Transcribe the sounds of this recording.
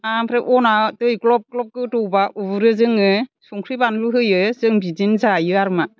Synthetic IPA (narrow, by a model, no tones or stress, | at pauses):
ampʰɾeʔɔnatɯjklɔp̚klɔp̚kɯtɔwbaʔubɯɾɯzɯŋɯsuŋkʰɾibanɾɯɦɯjɯzɯŋbidinzajɯaɾma